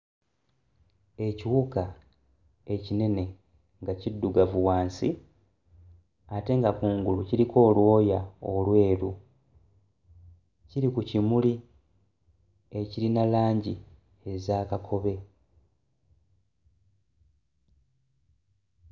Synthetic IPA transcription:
e̞ciwuka | e̞cine̞ne̞ | ŋɡacidːuɡavuwaːnsi | ate̞ŋɡakuːŋɡuluciɾiko̞ːlwo̞ːjaolwe̞ːɾu | ciɾikucimuli | e̞ciɾinalaːɲɟi | e̞zaːkakʰo̞βe̞

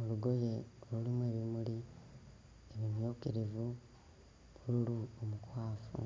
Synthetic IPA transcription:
oluɡo̞je̞olulimwe̞ːβimuli | eβimjoːkiɾivu | βuɾuluomukwaːfṵ

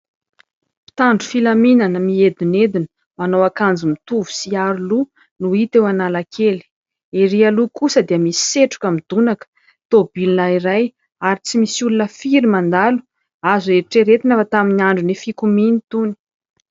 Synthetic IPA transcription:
pi̥t̪aɳɖ͡ʐu̥filaminanəmied̪ined̪inə̥ | manowakand͡zimit̪uvu̥siaɾulu | nuit̪ewanalakʰeli̥ | eɾialukusəd̪iəmisi̥seʈ͡ʂu̥kamid̪unakə̥ | t̪obilinaiɾaj | aɾit͡simisulunəfiɾimand̪alu̥ | azueɾiʈ͡ʂeɾet̪inafat̪aminiaɳɖ͡ʐunifikuminit̪uni̥

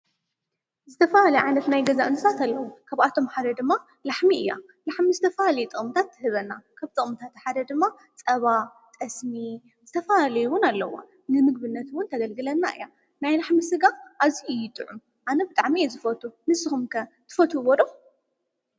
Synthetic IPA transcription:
zɨt̪ʰɐfahalɐjʕajnɐt̪najɡɐzaʔɨnɨsʰat̪ʰalːɐwukʰaβat̪ʰo̞mħad̪ɐd̪ɨmːa | laħmiɨjːa̰ | laħmizɨt̪ʰɐfalalɐjut̪ʼɨχʼmɨt̪ʰat̪ʰːɨhɨβɐnːakʰaβt̪ʼɨχʼmɨt̪ʰat̪ħad̪ɐd̪ɨmːa | t͡sʼɐβa | t̪ʼɐsmi | z̥ɨt̪ʰɐfalalɐjuwʊnalːɐwːa̰ | nɨmɨɡ̚bɨnːɐt̪wʊnt̪ʰɐɡɐlɡɨlɐnːaʔɨ̰jːa | najlaħmisɨɡaʔaβziɨjːɪt̪ʼɨ̰ʕum | ʔanɐbɨt̪ʼaʕmijezɨfɐt̪ʰunɨsɨxumkʰɐt̪ʰɨ̥fɐt̪ʰubod̪o

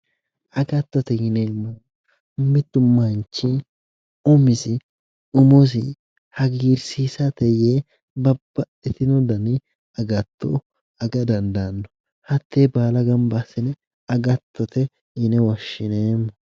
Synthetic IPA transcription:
ʔɐɡɐt̪ːɔt̪ɛɡɪneːmːɔ | mːɪt̪ːʊmɐnt͡ʃːi | ɔmɪsɪ | ʊmos̬ɪ | hɐɡiːɾsiːsɐt̪ɛjeː | bɐbːɐ | ɛt̪ɪnɔd̪ɐnɪ | ɐɡɐt̪ʰːo̰ | ɐɡɐd̪ɐnd̪ɐnːɔ̥ | hɐt̪ːeːbaːlɐɡɐmbasɪnɛ | ɐɡɐt̪ʰːɔt̪ɛ | ɡɪnɛwɐʃːɪneːmːɔ

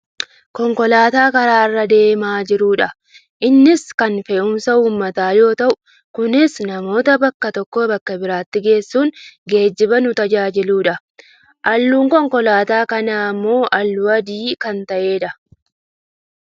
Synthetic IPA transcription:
kɔŋkɔlaːt̪aːkɐɾaːɪrːɐd̪e̞ːmaːd͡ʒɪɾuːᶑɐ | ʔɪnːɪskɐnfeːʔʊmsɐuːmːɐt̪aːjo̞ːt̪ɐʔʊ̥ | kʊnɪsnɐmo̞ːt̪ɐbɐkːɐt̪ɔkːoːbɐkːɐbɪɾaːt̪ːɪɡe̞ːsːuːŋɡe̞ːd͡ʒːɪbɐnʊt̪ɐd͡ʒaːd͡ʒɪluːᶑɐ | ʔɐlːuːŋkɔŋkɔlaːt̪aːkɐnaːmːo̞ːʔɐlːʊɐd̪iːkɐnt̪ɐʔe̞ːᶑɐ

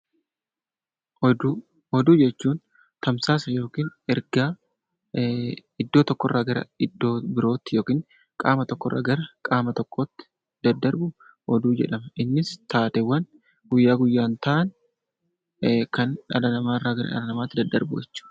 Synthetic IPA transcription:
hɔd̪uːd͡ʒɛt͡ʃːuːn | t̪ɐmsaːsɐjo̞ːkiːnɛɾɡaː | ɪd̪ːo̞ːt̪ɔkːɔrːaːɡɐɾɐ̰ɪd̪ːo̞ːbɪɾo̞ːt̪ːɪjo̞ːkiːn | kʼaːmɐt̪ɔkːɔrːʔa̰ːɡɐɾɐkʼaːmɐt̪ɔkːoːt̪ːɪ̥ | d̪̥ɐd̪ːɐɾbʊ | hɔd̪uːd͡ʒɛ̰ᶑɐmɐʔɪnːɪst̪aːt̪ɛwːɐn | ɡ̥ʊjːaːɡʊjːaːnt̪ɐʔɐn | kɐnᶑɐ̰dɐnɐmaːrːaːɡɐɾɐ̰ʔɐ̰dɐnɐmaːt̪ːɪd̪ɐd̪ːɐ̰ɾbʊd͡ʒɛt͡ʃːu̥

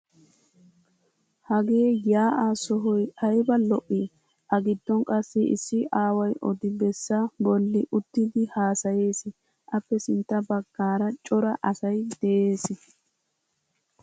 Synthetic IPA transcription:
hɐɡe̞ːjaːʔasɔɦɔjɐjbɐlɔʔːi | ʔɐɡɪd̪ːɔŋkʼɐsːɪɪ̰sːɪʔaːwɐjʔɔd̪ɪbɛsːɐbɔlːɪʔʊt̪ːɪd̪ɪhaːsɐje̞ːsɪ | ʔɐpːɛsɪnt̪ːɐbɐɡ̥ːaːɾɐt͡ʃʼɔɾɐʔɐsɐjd̪̥ɛʔeːsɪ

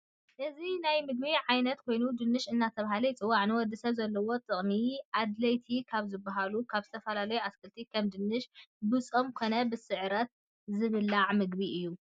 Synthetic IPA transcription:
ʔɨzinajmɨɡ̚biʕajnɐt̪kʰo̞jnud̪ɨnːɨʃɨnːat̪ʰɐβahalɐjt͡sʼɨwːaʕnɨwɔd̪isɐβzɐlːɐwo̞t̪ʼɨχʼniʔad̪lɐjt̪ʰikʰaβzɨbːaɦalukʰaβzɨt̪ʰɐfɐlalɐjuʔaskʰɨlt̪ʰikʰɐmd̪ɨnːɨʃbɨt͡sʼomkʰo̞nɐbɨsɨʕɾɐt̪̚ | zɨβɨlːaʕmɨɡbiʔɨjːu

